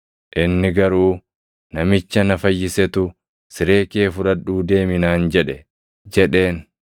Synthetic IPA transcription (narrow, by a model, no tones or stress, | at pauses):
ʔɪnːɪɡɐɾuː | nɐmɪt͡ʃːɐnɐfɐjːɪsɛt̪ʊ | sɪɾe̞ːkeːfʊɾɐᶑuːd̪e̞ːmɪnaːnd͡ʒɛᶑɛ | d͡ʒɛᶑe̞ːn